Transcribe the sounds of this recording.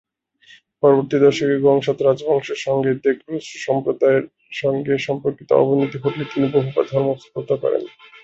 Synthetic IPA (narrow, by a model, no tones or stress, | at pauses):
pɔɾoboɾt̪id̪ɔɾʃokeɾɡɔŋʃat̪ɾad͡ʑbʱɔŋʃeɾʃɔŋɡed̪ekɾusʃɔmpɾod̪aeɾ | ʃɔŋɡeʃɔmpoɾkit̪o̰ɔ̰bonit̪iɦoʈlet̪iniboɦuba̰ɾd̪ʱɔɾmopɾot̪akɔ̰ɾḛn